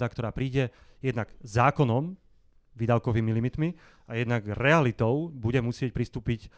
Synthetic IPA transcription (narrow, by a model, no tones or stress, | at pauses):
akt̪ɔɾaːpɾiːɟɛ | jɛd̪naɡzaːkɔnɔm | ʋiːd̪aʊkɔʋiːmilimit̪mi | ajɛd̪naɡɾɛalit̪ɔʊbuɟɛmusɪɛc̚pɾist̪uːpic